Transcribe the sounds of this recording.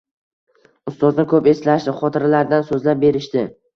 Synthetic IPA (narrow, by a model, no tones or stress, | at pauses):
ʊst̪ɒznɪkʰɵpe̞slaʃd̪ɪχɒt̪ʰɪɾalaɾd̪ansɵzlap̚be̞ɾɪʃt̪ɪ